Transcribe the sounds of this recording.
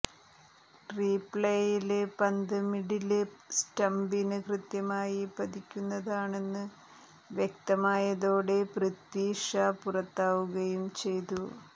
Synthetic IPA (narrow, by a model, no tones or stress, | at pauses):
ʈriːpɭejilepɐnd̪ɨmiɽilɨsʈɐmbinɨkrɨt̪jɐmaːjipɐd̪ikʲːunːɐðaːɳe̞nːɨ | ʋjek̚t̪ɐmaːjɐðoːɽe̞prit̪ːiːʂɐpurɐt̪ːaːʋuɣɐjumt͡ɕe̞jt̪u